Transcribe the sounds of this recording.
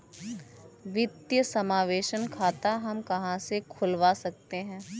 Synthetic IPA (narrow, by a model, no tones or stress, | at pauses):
ʋɪd̪jəsɐmaːʋeːʃənkʰaːt̪aɦɐmkɐɦãsekʰʊlʋasɐk̚t̪eɦɛ̃ː